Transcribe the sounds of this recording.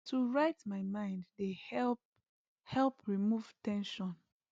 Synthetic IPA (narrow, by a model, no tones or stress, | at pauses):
tʰuɹaɪtmaɪmãɪ̃nddehɛ | hɛlpɹimuv̥tɛ̃nʃɔ̃n